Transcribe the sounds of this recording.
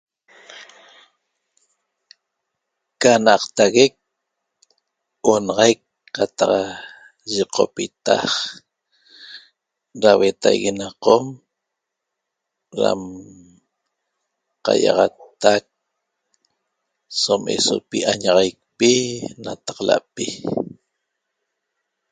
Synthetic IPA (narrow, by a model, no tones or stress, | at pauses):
kanaqt̪aɣek̚ | onɑʁɑjkː | at̪ɑq | ʒiqʰo̰pit̪a̰χ | ɾawet̪ajɣinaqom | ɾa̰m | qɑ̰jɑʁɑt̪ːak̚ | somḛso̰piʔaɲɑʁɑjk̚pinat̪ḁqla̰ʔpi